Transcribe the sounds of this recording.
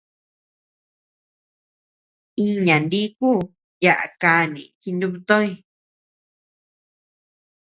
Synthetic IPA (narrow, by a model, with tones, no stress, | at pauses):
i˦ɲã˨nd̪i˦kuː˦ | ja˨ʔa̰˨ka˧˨nĩ˨ki˧nd̪u˧βu˧t̪õ˦i˦˧